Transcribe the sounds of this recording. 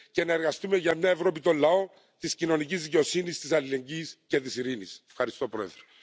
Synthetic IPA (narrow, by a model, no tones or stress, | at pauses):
ce̞nɐe̞ɾɣɐst̪ume̞ʝɐmɲɐevɾo̞pit̪o̞lːɐo̞ | t̪iscino̞nicizðiceo̞sinist̪isɐlile̞ɲɟisce̞t̪isiɾinisefxɐɾist̪o̞pɾo̞ḛðɾe